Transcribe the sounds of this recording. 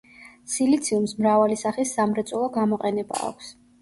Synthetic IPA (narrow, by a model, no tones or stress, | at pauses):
silit̪sʰiumsmɾavalisaχisːamɾɛt̪sʼɔlˠɔɡamɔqʼɛnɛba̰ːkʷʰs